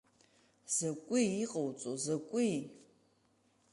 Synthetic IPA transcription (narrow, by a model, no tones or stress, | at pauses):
z̥akʷʼiiqʼawt͡sʼozakʷʼi